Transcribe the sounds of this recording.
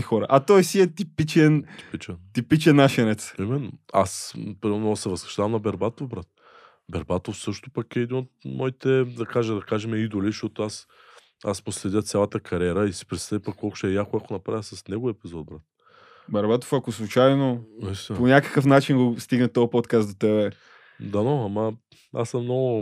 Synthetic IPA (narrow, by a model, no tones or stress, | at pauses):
ixɔɾə̰ʔat̪ɔjsiɛt̪ipit͡ʃɛnipit͡ʃɛnt̪ipit͡ʃɛnːaʃɛnɛt̪simɛnːo̰a̰spɾimɛɾnosɛvəskɾə̥ʃt̪avɐmnɐbɛɾbat̪ofbɾat̪̚ | bɛɾbat̪ofsɤʃt̪ʊ̥pɐkɛɛd̪inot̪̚mɔit̪ɛd̪ɐkaʒɛd̪ɐkaʒɛmɛid̪oliʃɔt̪ʊas | a̰smʊslɛd̪ʲjət̪sʲalˠət̪əkʰɐɾʲɛɾəisi̥pɾɛt̪st̪avipɐkːɔlˠkʊ̥ʃɛjakoakonɐpɾavʲisɐsnɛɡʊɛpizɔt̪̚bɾat̪̚ | bɛɾbat̪ofɐkoslˠut͡ʃajnoɛst̪ɛponʲakəkəfnat͡ʃinɡost̪iɡnət̪ɔəpɔt̪kast̪ot̪ɛbɛ | d̪anɔamɐ | a̰sɐmnɔɡʊ